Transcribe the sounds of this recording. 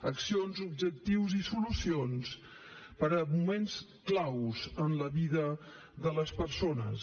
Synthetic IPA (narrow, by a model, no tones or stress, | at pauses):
əksionzubʒək̚t̪iwzisulusions | pəɾəmumens | klawzənləβiðə | ðələspəɾsonəs